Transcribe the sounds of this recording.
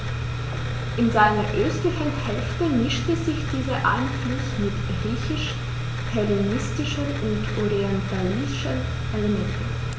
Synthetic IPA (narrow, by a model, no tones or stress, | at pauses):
ʔɪnzaɪnɐʔøːstəfɛthɛlftəmɪʃtəzɪçd̥iːzɐʔa̰ɪnflʊsmɪtɡ̥ʁiːçɪʃ | pʰɛlenɪstɪʃənʔʊntʔɔʁiɛntʰalɪ | ʃən | ʔelemɛntn̩